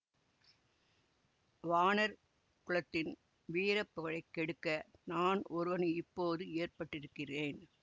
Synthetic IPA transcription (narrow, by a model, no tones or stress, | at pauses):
ʋaːnɐɾ | kʊɭɐt̪ːɪn | ʋiːɾɐpːɯɣɐɭɐɪkːɛɽɯkːɐnaːnɔɾɯʋɐnɪpːoːðɯeːrpɐʈːɪɾɯkːɪreːn